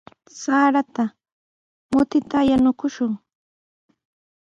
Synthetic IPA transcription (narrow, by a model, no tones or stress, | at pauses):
saːɾat̪a | mʊt̪ɪt̪ajanʊkʊʃʊŋ